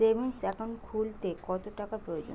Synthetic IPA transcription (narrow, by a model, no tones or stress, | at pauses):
ebʱensɛkʰonkʰult̪ekɔt̪oʈakapɾood͡ʑo̰